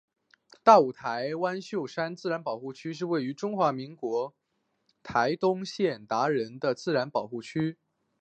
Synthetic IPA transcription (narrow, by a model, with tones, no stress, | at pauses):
t̪a˥˩u˨˩t̪ʰa˧˥ɪwa˥nɕjo˥˩ʊʂa˥nt͡sɹ̩˥˩ɻa˧˥npɑ˨˩ʊxu˥˩t͡ɕʰy˥ʂ̬ɻ̩˥˧we˥˩ɪy˧˥ʈ͡ʂʊ˥ŋxwa˧˥mi˧˥ŋkwɔ˧˥ | t̪ʰa˧˥ɪt̪ʊ˥ŋɕjɛ˥˩nt̪a˧˥ɻə˧˥nd̪ə˧t͡sɹ̩˥˩ɻa˧˥npɑ˨˩ʊxu˥˩t͡ɕʰy˥